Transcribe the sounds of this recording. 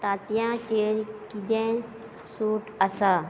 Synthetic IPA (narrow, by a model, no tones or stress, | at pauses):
t̪aːt̪ijãːt͡ʃeɾkid̪ẽ | suːʈəsa